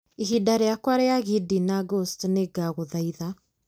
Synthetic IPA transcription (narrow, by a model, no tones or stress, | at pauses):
iɦidaɾeakwaɾeaɣidinaɡostneɡaɣoðaiða